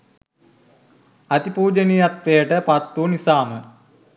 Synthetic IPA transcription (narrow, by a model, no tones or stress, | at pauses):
ɐt̪ipuːd͡ʒənijat̪ʋejəʈəpat̪ːunisaːmə